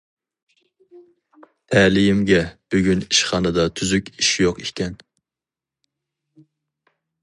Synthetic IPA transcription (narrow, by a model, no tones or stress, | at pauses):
t̪ʰɛlijimɡʲɛb̥yɡʲyniʃχɑːnɨd̪ɑt̪ʰyzykʲiʃjoqikʲʰɛn